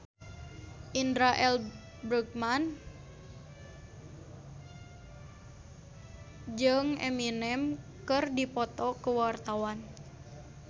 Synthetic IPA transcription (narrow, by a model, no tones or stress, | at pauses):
ʔindɾaʔɛl | bɾuk̚man | d͡ʒɨŋɛ̰minɛmkɨrdipɔt̪ɔkəwart̪awan